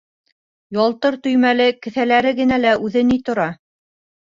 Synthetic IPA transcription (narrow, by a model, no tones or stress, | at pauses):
jɑlˠt̪ɤɾt̪ɵ̆jmælɘkɘ̆θælæɾɘɡɘ̆nælæʔʉðɘnit̪ŏɾɑ